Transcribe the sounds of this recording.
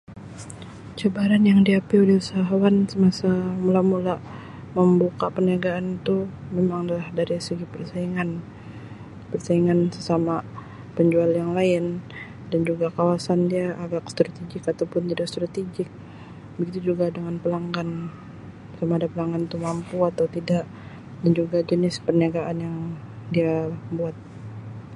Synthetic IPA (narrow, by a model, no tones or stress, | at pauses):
t͡ʃabaɾanjaŋdiapiudiusaɦawansəmasamulamula | məmbukapəniaɡaːnt̪umemaŋlahdaɾisəɡipərsaiŋan | pərsaiŋansəsama | pəɲd͡ʒualjaŋlaɪn | dand͡ʒuɡakawasandiaʔaɡakst̪ɾat̪iɡɪkat̪awpʊnt̪idakst̪ɾat̪iɡɪk̚ | bəɡit̪ud͡ʒuɡadəŋanpəlaŋɡan | samaːdapəlaŋɡant̪umampuat̪awt̪idaʔ | dand͡ʒuɡad͡ʒənɪspərniaɡaʔanjaŋ | diabuat̪̚